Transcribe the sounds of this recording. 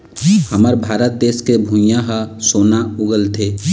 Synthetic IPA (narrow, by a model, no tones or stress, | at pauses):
həməɾbʱaːɾət̪̚d̪eːskebʱũjãɦasoːnaʊɡəlt̪ʰeː